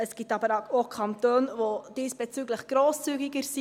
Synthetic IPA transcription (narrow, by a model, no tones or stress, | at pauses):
əsɡ̥itɑbəɾɑokʰɑnt̪øːnʋod̥iːsb̥ɛt͡syɡləχɡ̥ɾoːst͡syɡɪɡəɾsi